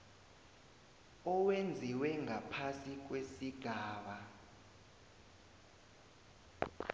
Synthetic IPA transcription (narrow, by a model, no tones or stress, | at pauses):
ɔwend͡zʱiwɛŋʱapʰasik̬wesiɡ̥ʱaːɓa